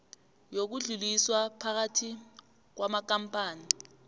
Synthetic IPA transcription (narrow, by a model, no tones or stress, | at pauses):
jok̬uɮuliswapʰak̬atʰi | k̬wamak̬ampʼaːni